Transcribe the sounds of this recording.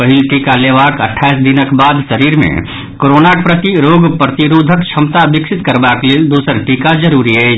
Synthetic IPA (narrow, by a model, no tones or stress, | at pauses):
pəɦɪlʈiːkaleːʋaːkə̰ʈʰːaːisd̪ɪnəkbaːd̪səɾiːɾmḛ̃ | koːɾoːnak̚pɾət̪iɾoːɡpɾət̪iɾoːd̪ʱəkt͡ʃʰɐmt̪abɪksɪt̪kəɾbakled̪uːsəɾʈiːkad͡ʒəɾuːɾiɦɛ